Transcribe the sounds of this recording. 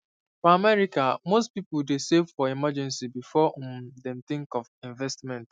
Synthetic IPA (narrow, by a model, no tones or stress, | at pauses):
fɔamɛɹikamostpipʊldesevfɔimad͡ʒɛ̃nsibifɔd̪ɛ̃mt̪ɪ̃ŋkɔvĩnvɛstmɛ̃nt